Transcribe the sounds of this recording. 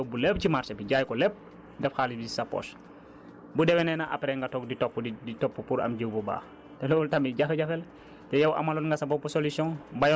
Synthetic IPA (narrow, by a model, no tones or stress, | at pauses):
wbulep̚cimaɾsɐbiɟajkɔlɛp̚ | dɛfxaːlibisɐpːɔ̰ːs | budɛwɛnɛnɐʔɐ̰pɾɛŋɡɐtɔkditɔpːiditɔpːupuɾɐ̰mɟəːwbɔba̰ːx | tɛlɔɔltɐmiɟɐxɐɟɐfɛl | tɛjɐwʔɐ̰mɐlɔnŋɡɐsɐbɔpɔsolusjɔ̃ŋbɐj